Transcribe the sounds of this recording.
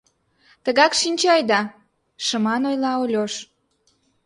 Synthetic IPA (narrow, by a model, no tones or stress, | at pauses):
t̪əɣɑkʃinʲt͡ɕɑjd̪ɑ | ʃəmɑnojlɑolʲoʃ